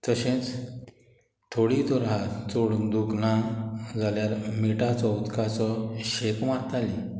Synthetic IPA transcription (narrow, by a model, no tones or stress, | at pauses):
t̪əɕẽt͡s | t̪ʰoɽit̪ɔɾɦat͡soɽd̪uknãd͡zaljaɾmiʈat͡sɔut̪kat͡sɔɕekmat̪ali